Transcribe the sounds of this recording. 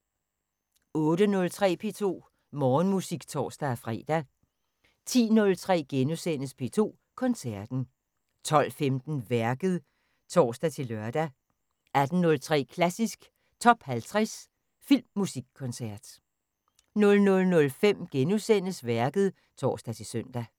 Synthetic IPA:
ɔ̽ːɾ̥ənɔ̽lt͡sʰʁɛ̰ːpʰe̝ːt͡sʰo̝̰ː | mɒːnmusiɡ̥t͡sʰɒ̰ːsd̥æfʁɛ̰ːd̥æ | t͡sʰḭːnɔ̽lt͡sʰʁɛ̰ːɡ̥enusen̰əspʰe̝̰ːt͡sʰo̝̰ː | kʰɒ̽nsæɐd̥n̩ | t͡sʰɒ̽l̰femd̥n̩ʋæɐɡ̥əð̞̩ˠ | t͡sʰɒ̰ːsd̥æt͡sʰe̝lɶɐd̥æ | ʔæd̥n̩nɔ̽lt͡sʰʁɛ̰ːkʰlæsisɡ̥ | t͡sʰɒ̽b̥hælt͡sʰʁɛs | fil̰mːusiɡ̥̚kʰːɔ̽nsæɐ̰d̥ | nɔ̽lnɔ̽lnɔ̽lfem̰ɡ̥enusen̰əsʋæɐɡ̥əð̞̩ˠ | t͡sʰɒ̰ːsd̥æt͡sʰe̝søn̰d̥æ

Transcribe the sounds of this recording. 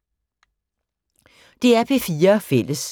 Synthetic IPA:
d̥e̝æɐpʰe̝fiːɐfel̰əs

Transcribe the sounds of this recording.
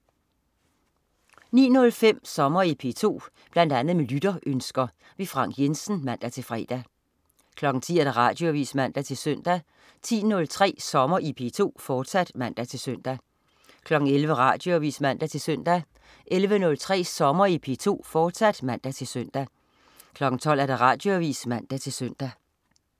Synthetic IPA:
nḭːnɔ̽lfem̰sɒ̽mɐipʰe̝̰t͡sʰo̝̰ː | b̥læn̰d̥ænð̞̩ˠmelyd̥ɐʔønsɡ̥ɐ | ʋe̝fʁɑ̈ŋ̰ɡ̥jensn̩mæn̰d̥æt͡sʰe̝lfʁɛ̰ːd̥æ | kʰlɒ̽ɡ̥ŋ̩t͡sʰḭːæd̥æʁɑ̰̈ːd̥joʋḭːsmæn̰d̥æt͡sʰe̝lsøn̰d̥æ | t͡sʰḭːnɔ̽lt͡sʰʁɛ̰ːsɒ̽mɐʔipʰe̝t͡sʰo̝̰ːfɒːd̥sæd̥mæn̰d̥æt͡sʰe̝lsøn̰d̥æ | kʰlɒ̽ɡ̥ŋ̩elʋəʁɑ̈ːd̥jo̝æʋḭːsmæn̰d̥æt͡sʰe̝lsøn̰d̥æ | ʔelʋənɔ̽lt͡sʰʁɛ̰ːsɒ̽mɐipʰe̝t͡sʰo̝̰ːfɒ̥ːsæd̥mæn̰d̥æt͡sʰe̝lsøn̰d̥æ | kʰlɒ̽ɡ̥ŋ̩t͡sʰɒ̽l̰æɐd̥æʁɑ̈ːd̥jo̝æʋḭːsmæn̰d̥æt͡sʰe̝søn̰d̥æ

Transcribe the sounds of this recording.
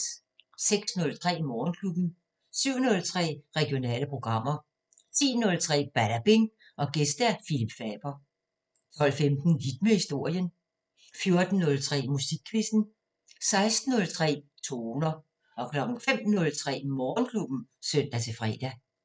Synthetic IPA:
seɡ̥snɔ̽lt͡sʰʁɛ̰ːmɒːnkʰlub̥n̩ | syʊ̰nɔ̽lt͡sʰʁɛ̰ːʁɛɡ̥jo̝nɛ̰ːləpʰʁo̝ɡ̥ʁɑ̈m̰ɐ | t͡sʰḭːnɔ̽lt͡sʰʁɛ̰ːb̥æɾ̥æb̥eŋ | ʔɒ̽ɡ̥esd̥æfilib̥fɛ̰ːb̥ɐ | t͡sʰɒ̽lfemd̥n̩hid̥̚mehisd̥o̝ɐ̰jən | fjo̝ɐd̥n̩ːɔ̽lt͡sʰʁɛ̰ːmusiɡ̥ʰʋisn̩ | sɑ̈ɪsd̥n̩ːɔ̽lt͡sʰʁɛ̰ːt͡sʰo̝nɐ | ʔɒ̽kʰlɒ̽ɡ̥ŋ̩fem̰nɔ̽lt͡sʰʁɛ̰ːmɒːnkʰlub̥n̩sœn̰d̥æt͡sʰe̝fʁɛ̰ːd̥æ

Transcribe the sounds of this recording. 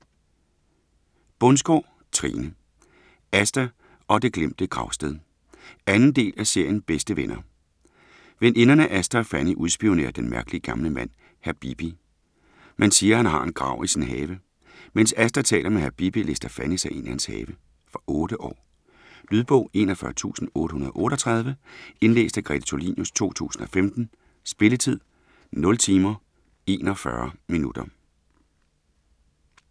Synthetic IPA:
b̥ɔ̽nsɡ̥ɒ̰ː | t͡sʰʁḭːnə | æsd̥æ | ɒ̽d̥e̝ɡ̥lem̰d̥əɡ̥ʁɑ̈ʊsd̥eðˠ | ænn̩d̥e̝̰ːlæse̝ɐ̰jən̩b̥esd̥əʋenʔɐ | ʋene̝nɐnæʔæsd̥æfæniʔuðˠsb̥io̝ne̝̰ːɐd̥enmæɐɡ̥əliəɡ̥ɑ̈mləmæn̰ | hæɐb̥ib̥i | mænsiːɐhænɦɑ̈e̝nɡ̥ʁɑ̈ʊ̰ʔisinɦɛːʋə | mensæsd̥ɐt͡sʰɛ̰ːlɐmehæɐb̥ib̥ilesd̥ɐfænisæe̝nʔihænshɛ̰ːʋə | fɒʔɔ̽ːɾ̥əʔɒ̰ː | nyð̞ˠb̥ɔ̽ʊ̰e̝ːnɒfɶɐt͡sʰṵːsn̩ɔ̽ːɾ̥əhunɐðˠʔɔ̽ːɾ̥ɒt͡sʰʁɑ̈ð̞ˠʋəe̝nlḛːsd̥æɡ̥ʁɛ̰d̥t͡sʰo̝lḭnjust͡sʰo̝̰ːt͡sʰṵːsn̩ɒ̽femd̥n̩ | sb̥e̝lət͡sʰið̞̰ˠ | nɔ̽lt͡sʰiːmɐ | e̝ːnɒfɶ̰ɐminud̥ɐ

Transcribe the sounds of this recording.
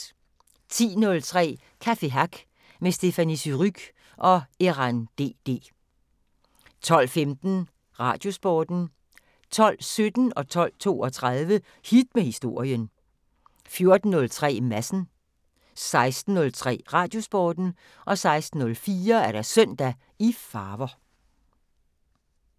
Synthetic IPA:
t͡sʰḭːnɔ̽lt͡sʰʁɛ̰ː | kʰæfe̝ɦɑɡ̥ | mesd̥e̝fænisyʁyɡ̥ | ʔɒ̽eʁɑnd̥e̝̰ːd̥e̝̰ː | t͡sʰɒ̽l̰femd̥n̩ | ʁɑ̈d̥jo̝sb̥ɒːd̥n̩ | t͡sʰɒ̽l̰sød̥n̩ɒ̽t͡sʰɒ̽l̰t͡sʰo̝̰ːɒ̽t͡sʰʁɑðˠʋə | hid̥mehisd̥o̝ɐ̰jən | fjo̝ɐd̥n̩ːɔ̽lt͡sʰʁɛ̰ːmæsn̩ | sɑ̈ɪsd̥n̩ːɔ̽lt͡sʰʁɛ̰ːʁɑ̈ːd̥jo̝sb̥ɒːd̥n̩ | ʔɒ̽sɑ̈ɪsd̥n̩ːɔ̽lfiːɐæɐɾ̥æsœn̰d̥æ | ifɑːʋɐ

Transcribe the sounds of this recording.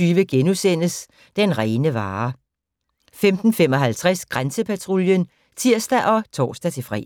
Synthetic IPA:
yːʋəɡ̥enusen̰əs | d̥enʁɛːnəʋɑ̈ː | femd̥n̩femɒ̽ɦælt͡sʰʁɛsɡ̥ʁansəpʰæt͡sʰʁuljən | t͡sʰiɐ̰sd̥æʔɒ̽t͡sʰɒ̰ːsd̥æt͡sʰe̝fʁɛ̰ː

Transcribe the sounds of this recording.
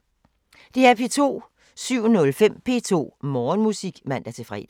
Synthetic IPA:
d̥e̝æɐpʰe̝ːt͡sʰo̝̰ː | syʊ̰nɔ̽lfem̰pʰe̝ːt͡sʰo̝̰ːmɒːnmusiɡ̥mæn̰d̥æt͡sʰe̝fʁɛ̰d̥̩

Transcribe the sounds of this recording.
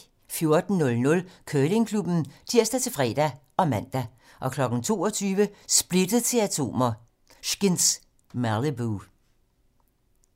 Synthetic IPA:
fjo̝ɐd̥n̩nɔ̽lnɔ̽lkʰøːle̝ŋkʰlub̥n̩t͡sʰiɐ̰sd̥æt͡sʰe̝lfʁɛ̰ːd̥æ | ʔɒ̽mæn̰d̥æ | ʔɒ̽kʰlɒ̽ɡ̥n̩t͡sʰo̝̰ːɒt͡sʰyːʋəsb̥le̝d̥əð̩ˠt͡sʰe̝læt͡sʰo̝̰ːmɐ | ʃɡ̥ens | mælibu

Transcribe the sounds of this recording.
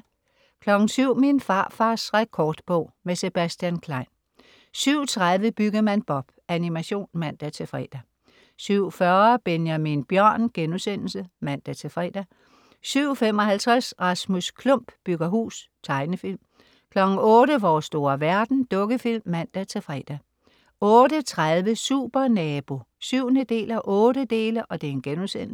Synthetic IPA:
kʰlɒ̽ɡ̥n̩syʊ̰minfɑ̈ːfɑ̈ːsʁɛkʰɒːd̥b̥ɔʊ̰mese̝b̥æsd̥jænkʰlɑ̈ɪn | syʊ̰t͡sʰʁaðˠʋəb̥yɡ̥ɐmænb̥ɒ̽b̥ænimæɕo̝̰ːnmæn̰d̥æt͡sʰe̝fʁɛ̰ːd̥æ | syʊ̰fɶɐb̥enjæminb̥jɶɐ̰nɡ̥enusen̰l̩səmæn̰d̥æt͡sʰe̝fʁɛ̰ːd̥æ | syʊ̰fem̰ɒ̽hælt͡sʰʁasʁɑ̈smuskʰlɔ̽m̰b̥b̥yɡ̥ɐɦṵːs | t͡sʰɑ̈ɪnəfil̰m | kʰlɒ̽ɡ̥ŋ̩ɔ̽ːɾəʋɒːsːd̥o̝ːɐʋæɐd̥n̩d̥ɔ̽ɡ̥əfil̰mːæn̰d̥æt͡sʰe̝fʁɛ̰ːd̥æ | ɔ̽ːdət͡sʰʁaðˠʋəsṵːb̥ɐnɛːb̥o̝ | syʊ̰nəd̥e̝̰ːlæʔɔ̽ːɾəd̥e̝ːləʔɒ̽d̥enɡ̥enusen̰̩s

